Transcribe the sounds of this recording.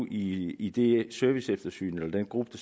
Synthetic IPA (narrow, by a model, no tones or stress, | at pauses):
iid̥e̝sœɐʋisefd̥ɐsy̰ːnelɐd̥enɡ̥ʁub̥əd̥ɑ